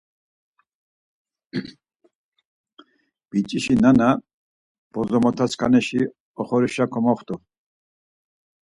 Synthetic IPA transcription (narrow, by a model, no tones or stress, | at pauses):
b̥it͡ʃʼiʃinana | b̥ɔzɔmɔt̪ʰaskʰanɛʃi | ɔχɔɾiʃakʰɔmɔχt̪ʰʼɔ